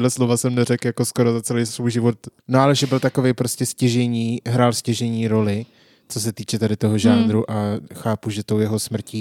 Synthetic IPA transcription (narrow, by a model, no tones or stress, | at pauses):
lɛslovasɛmnɛɾɛkjako̞sko̞ɾozat͡sɛlejsvujʒɪvo̞t̪noʔalɛʒɛbɪlt̪akovejpɾoscɛscɛʒɛɲiːɦɾaːlscɛʒɛɲiːɾo̞lɪ | t͡so̞s̬ɛt̪iːt͡ʃɛt̪adɪt̪o̞ɦoʒaːnd̪ɾuʔaxaːpuʒɛt̪owjɛɦo̞smr̩ciː